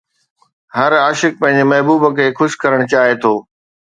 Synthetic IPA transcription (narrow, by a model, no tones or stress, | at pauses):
ɦɐɾaːʃɪk̚pɐ̃ɦɪ̃ɲ̆d͡ʑemɐɦbuːbəkʰeːxʊʃɪ̥kɐɾəɽ̃ʊt͡ɕaːɦet̪ʰoː